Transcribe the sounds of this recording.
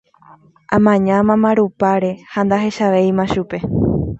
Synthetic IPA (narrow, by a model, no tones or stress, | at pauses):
ʔãmãɲãmãmãɾupaɾe̞hand̪aɦe̞ʃaʋejmãʃupe̞